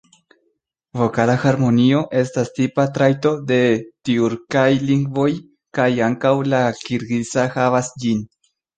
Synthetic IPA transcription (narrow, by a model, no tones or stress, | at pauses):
vo̞kalaxaɾmo̞nio̞ʔe̞stastipatɾajto̞de̞tiuɾkajliŋɡvo̞j | kajaŋkawlakiɾɡisahavasd͡ʒin